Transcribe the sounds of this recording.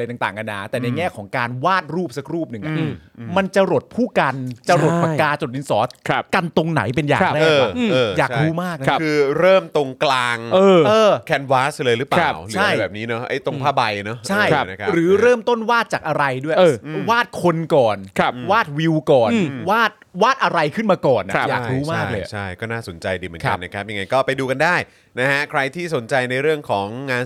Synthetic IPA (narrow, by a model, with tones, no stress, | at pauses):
la˧jt̪aː˨˩ŋt̪aː˨˩ŋka˧nːa˦˩t̪ɛː˨˩na˧jŋɛː˥˩kʰɔː˩˦ŋkaː˧nwaː˥˩t̪̚ɾuː˥˩p̚sa˧˦˥k̚ɾuː˥˩p̚nɯ˨˩ŋʔa˨˩ʔma˧nt͡ɕa˧ɾo˨˩t̪̚pʰuː˥˩ka˧nt͡ɕa˧ɾo˨˩t̪̚pa˧kaː˧t͡ɕo˨˩ʔi˧nsɔː˩˦˧ka˧nt̪o˧ŋna̰˩˦jp̬e˧nja̰ː˨˩˧aː˥˩˧a˧ɤː˧˩jaː˨˩kduː˧˩maː˥˩k̚na˦kʰɯɯː˧ɾɤː˥˩mt̪o˧ŋklaː˧ŋʔɤː˧ʔɤː˧kʰɛ˧nwaː˦˥slɤː˧jɾɯː˦˥pa˧aː˦˥˩wlɯː˨t͡ɕʰa˥a˩˧bɛː˨˩niː˦˥nɔ˦˥ʔa̰˦˥jt̪o˧ŋpʰaː˥˩ba˧jnɔ˦˥t͡ɕʰa˥˩jn˦˥kʰa˦ɾɯː˩˦˨ɾɤː˥˩mt̪o˥˩nwaː˥˩t̪̚t͡ɕaː˨˩k̚ʔa˧ɾa˧jdu˥˩əjɤː˧waː˥˩t̪̚kʰo˧nkɔː˨˩nkʰa˦˥˩waː˥˩t̪̚wi˧wkɔː˨˩n˩waː˥˩t̪̚waː˥˩t̪̚ʔa˧ɾa˧jkʰɯ˥˩nmaː˧kɔː˨˩nʔa̰˨a˦˥jaː˨˩kduː˨˦maː˥˩k̚lɤː˧˩t͡ɕʰa˥˩jkɔː˥˩naː˥˩so˩˦nt͡ɕa˧jdiː˧˩mɯ˩˦kʰka˧nːa˦˩kʰa˦˥p̚ja˧ŋa˧jkɔː˥˩pa˧jduː˧ka˧ndaː˥˩j | na˦˥kʰa˦˥kʰɾa˧jt̪ʰiː˥˩so˩˦nt͡ɕa˧jna˧jɾɯ˥˩əŋkʰɔː˩˦ŋːaː˧n